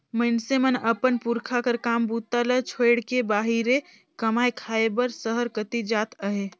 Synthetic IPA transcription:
mənsemənəpənpuɾkʰakəɾkaːmbut̪ːalət͡ʃʰoɪɽkebaːɦiɾe | kəmaːekʰaːebəɾsəɦəɾkət̪id͡ʒaːt̪əɦe

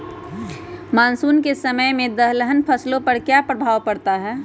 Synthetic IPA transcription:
maːnsuːnkesəməjmẽd̪əɦləɦənpʰəslõpəɾkjapɾəbʱaːwpəɽt̪aɦɛː

